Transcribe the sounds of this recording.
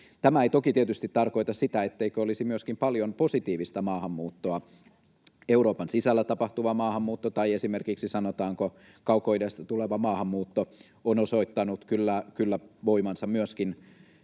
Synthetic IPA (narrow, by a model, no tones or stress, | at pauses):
t̪æmæeit̪okit̪iet̪yst̪it̪tɑrkoit̪ɑssit̪æet̪ːeikøolisimyøskimpɑljomposit̪iːʋist̪ɑmɑːhɑmːuːt̪ːoɑ | euɾoːpɑnsisælːæt̪ɑpɑht̪uʋɑmɑːhɑmːuːt̪ːot̪ɑiesimerkiksisɑnot̪ɑːŋko | kɑukoidest̪ɑt̪uleʋɑmɑːhɑmːuːt̪ːo | onoso̞it̪ːɑnut̪kylːækylːæʋoimɑnsɑmmyøskin